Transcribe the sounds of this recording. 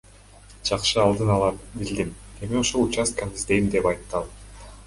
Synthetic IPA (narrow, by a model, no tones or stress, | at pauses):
d͡ʒɑqʃɯɑlˠd̪ɯnɑlˠɑɾbild̪ime̞mio̞ʃolˠut͡ʃast̪kanizd̪e̞jimd̪e̞pɑjt̪ːɑlˠ